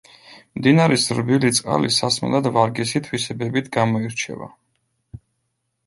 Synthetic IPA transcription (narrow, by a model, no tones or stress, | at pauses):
md̪inaɾɛsɾbilit̪sʼqʼa̰lisasmlˠad̪vaɾɡɛsit̪ʰwisɛbɛbit̪ʰɡamɔiɾt͡ʃʰɛ̰va̰